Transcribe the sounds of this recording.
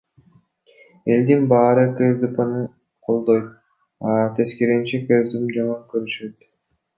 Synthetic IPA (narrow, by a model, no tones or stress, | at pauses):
e̞ld̪inbɑːɾɯkezd̪ipanɯ | qʰo̞lˠd̪o̞jt̪̚ | ɑt̪ʰe̞skeɾent͡ʃikezimd͡ʒaŋyŋkøɾyʃøt̪